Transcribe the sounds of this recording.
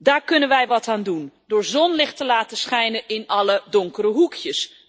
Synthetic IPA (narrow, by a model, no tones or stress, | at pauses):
daːrkɵnənʋɛjʋɔtʰaːndundʊːɹzɔnlɪxtəlaːtəsχɛjnəʔɪnɑlədoŋkəɾəɦukʰjəs